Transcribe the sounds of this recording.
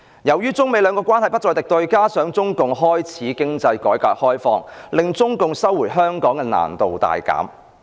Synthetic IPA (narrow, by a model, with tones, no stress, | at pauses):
jɐ˨˩wjyː˥t͡sʊ˥ŋme˨˧jlœː˨˧ŋkɔː˧kʷaː˥nhɐ˨jpɐ˥t̚t͡ʃɔː˨jt̪ɪ˨k̚t̪ɵ˧ɥkaː˥sœː˨˥ŋt͡sʊ˥ŋkʊ˨ŋɦɔː˥jt͡sʰiː˨˥kɪ˥ŋt͡sɐ˧jkɔː˨˥jkaː˨˥t̚hɔː˥jfɔ̰ː˧ŋlɪ˨ŋt͡sʊ˥ŋkʊ˨ŋsɐ˥wːu˨˩jɦœː˥ŋkɔː˨˥ŋkɛː˧na̰ː˨˩nt̪o˨wt̪a̰ː˨jka̰ː˨˥m